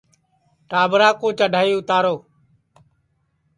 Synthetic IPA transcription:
ʈaːbɾaːkõːt͡ʃəɖʱaːiːʊt̪aːɾoː

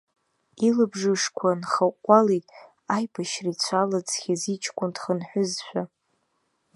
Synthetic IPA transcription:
ilabʐɨʂkʷʰanχaqʷʼalitʼ | ajbʰaʃrit͡sʷʰalad͡zχʲazit͡ʃʰkʷʼʊndχənħʷᶣʊzʃʷᶣa

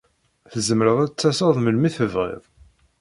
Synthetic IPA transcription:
θəzəmɾəðˤæt͡sːæsɑðˤməlmiθəvʁḛðˤ

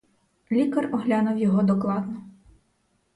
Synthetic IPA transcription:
lʲikɐrɔɦlʲɑnʊwjɔɦɔd̪ɔklˠɑd̪nɔ

